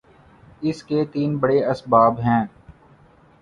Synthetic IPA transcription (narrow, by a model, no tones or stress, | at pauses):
ɪsket̪iːnbəɽeɐsbaːbɦɛ̃ː